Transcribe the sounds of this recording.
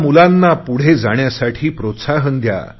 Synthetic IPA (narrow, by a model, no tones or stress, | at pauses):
mulanːapuɽ̤ed͡zaɳ̃jasaʈʰiːpɾot̪saɦənd̪ja̰